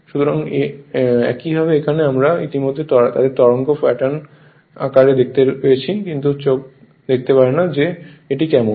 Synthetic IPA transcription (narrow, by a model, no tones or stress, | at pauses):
ʃut̪oɾaŋeɛ̰kibʱabeekʰaneamɾait̪imod̪ʱːet̪ɔt̪a̰d̪eɾt̪ɔɾoŋkofaʈan | a̰kaɾed̪ek̚ʰt̪epejet͡ɕʰikint̪ut͡ɕok̚ | d̪ek̚ʰt̪epaɾenad͡ʑeeʈikɛmon